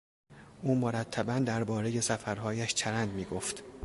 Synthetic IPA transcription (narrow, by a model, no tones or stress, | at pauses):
ʔuːmoɾæt̪ʰːæbænd̪æɾbɒːɾe̞je̞sæfæɾɦɒːjæʃt͡ʃʰæɾænd̪miːɡoft̪